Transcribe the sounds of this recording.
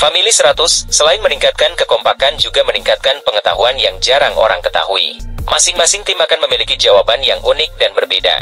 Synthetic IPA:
familisəɾat̪ʊsːəlaɪnməniŋkat̪̚kankəkɔmpakand͡ʒuɡaməniŋkat̪̚kanpəŋət̪a̰ɦuanjaŋd͡ʒaɾaŋo̰ɾa̰ŋkət̪a̰ɦuḭmʔasɪŋmasɪŋt̪imakanməmilikid͡ʒawabanjaŋʔunɪk̚danbərbeda̰

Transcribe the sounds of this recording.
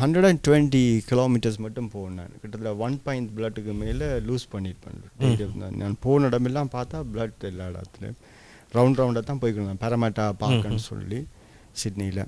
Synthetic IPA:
hɐnɖɾɐɽɐnʈʊʋɛɳʈikɪloːmɪʈːɐɾs̬mɐʈːɯmpoːna̰ːnkɛʈːɐt̪ːlɐʋɐnpaːɪnt̪bɪlɐɖːɯkːɯmeːlɐluːspɐɳːɪʈpːɐ̰nliːɖɐnnaːnpoːnɐɽɐmɛlːãːmpaːɾt̪aːbɪlɐɖɛlːaːɽa̰ːt̪ːɯnɯ̰ | ɾɐʊɳɖɾɐʊ̃ɳɖɐt̪ːãːpoːjkɔɽɯŋd̪ãːpɛɾɐmɛʈːaːpaːɾkːɐnːɯsɔ̰lːi | sɪɖnɐɪlɐ̰

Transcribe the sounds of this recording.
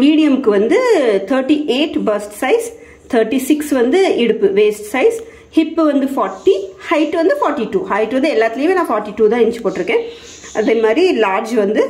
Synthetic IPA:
miːɽɪjɐmkɯʋɐnd̪ɯt̪ʰɐːɾʈiʔeːʈbɐɾsʈsɐɪs | t̪ʰɐːɾʈːisɪksʋɐnd̪ɯɪɽɯpːɯʋeːsʈsɐɪs | hɪpːʋɐnd̪ɯfaːʈːihɐɪʈːʋɐnd̪ɯfaːɾʈːiʈuːhɐɪʈːʋɐnd̪ɯɛlːaːt̪ːɪlɐjʋɐ̃nãːfaːɾʈːiʈuːt̪ãːɛnt͡ʃːɯ̥poːʈːɪɾɯkːẽː | ʔɐðeːmaːd̪ɾilaːɾd͡ʒʋɐnd̪ɯ

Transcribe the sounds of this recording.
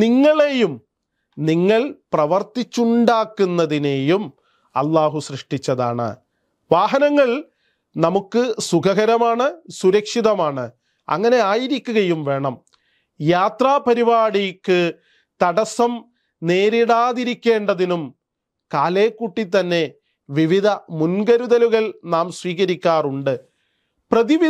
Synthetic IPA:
niŋːɐɭejum | niŋːɐɭprɐʋɐrt̪it͡ɕːuɳɖaːkːunːɐðine̞jum | ɐ̰lːaːɦusrɨʂʈit͡ɕːɐða̰ːɳɨ̰ | ʋaːɦɐnɐŋːɐɭ | nɐmukːɨsukɐɣɐɾɐmaːɳɨsuɾɐkʂiðɐmaːɳɨ | ɐ̰ŋːɐne̞aːjiɾikʲːuɣɐjumʋe̞ːɳɐm | jaːt̪raːpɐɾibaːɽijkːɨ | t̪ɐɽɐsɐm | neːɾiɽaːðiɾikʲːe̞ːɳɖɐðinum | kaːle̞ːkːuʈːit̪ːɐnːe̞ | ʋiʋid̪ʱɐmunɡɐɾuðɐluɣɐɭnaːmsʋiːɣɐɾikʲːaːruɳɖɨ | prɐðiʋ

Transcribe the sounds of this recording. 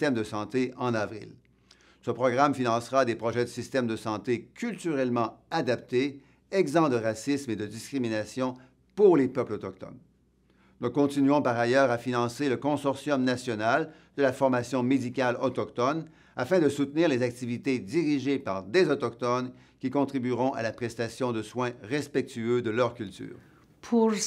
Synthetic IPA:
t̪ɛmd̪əsɑ̃t̪eɑ̃nɑvʁḭl | səpʁɔɡʁamfinɑ̃sʁad̪epʁɔʒɛd̪əsist̪ɛmd̪əsɑ̃t̪ekʲʰylt̪yʁɛlmɑ̃ad̪ap̚t̪e | ɛɡzɑ̃d̪əʁasismed̪əd̪iskʲʁiminasjɔ̃ | puʁlepœplɔt̪ɔk̚t̪ɔ̰n | nukɔ̃t̪inɥɔ̃paʁajœːʁafinɑ̃seləkɔ̃sɔʁsjɔmnasjɔnal | d̪əlafɔʁmasjɔ̃med̪ikʲalɔt̪ɔkt̪ɔn | afɛ̃d̪əsut̪niːʁlezak̚t̪ivit̪ed̪iʁiʒepaʁd̪ezɔt̪ɔkt̪ɔn | kʲikɔ̃t̪ʁibyʁɔ̃ʔa̰lapχɛst̪asjɔ̃d̪əswɛ̃ʁɛspɛk̚t̪yød̪əlœʁkʲylt̪y̰ːʁ | pʰu

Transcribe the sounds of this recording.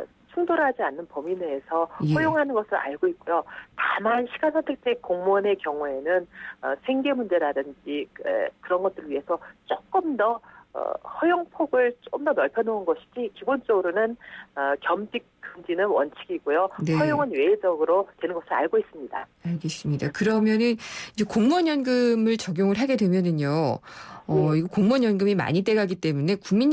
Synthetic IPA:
t͡ɕʰuŋdoɾɦad͡ʑianːɯnpominesʰʌhʌjoŋɦanɯnɡʌsʰɯɾa̰ɭɡoit̚k͈ojotamanɕʰiɡansʰʌtʰek̚t͡ɕ͈ekoŋmone̞kjʌŋue̞nɯnʌsʰeŋɡe̞mund͡ʑe̞ɾadɯnd͡ʑiḛkɯɾʌnɡʌt͈ɯɾɯɭɥiɦe̞sʰʌt͡ɕ͈ok͈ɯmdʌ̰ | hʌjoŋpʰoɡɯɭt͡ɕ͈ok͈ɯmdʌnʌɭpʰjʌnounɡʌɕʰi̥d͡ʑikibont͡ɕ͈ʌɡɯɾonɯnʌkjʌmd͡ʑik̚k͈ɯnd͡ʑinɯnwʌnt͡ɕʰiɡiɡojoneʌjoŋɯnwe̞ːd͡ʑʌɡɯɾotwe̞nɯnɡʌsʰiɾaɭɡois͈ɯmɲida | aɭɡeis͈ɯmɲidakɯɾʌmjʌnɯnid͡ʑe̞koŋmʌɲjʌnɡɯmɯɭt͡ɕʌɡjoŋɯɭɦaɡe̞dwe̞mjʌnɯɲo | ʌiɡokoŋmʌɲjʌnɡɯmima̰ɲit͈e̞ɡaɡit͈e̞mune̞kuŋmiɲ

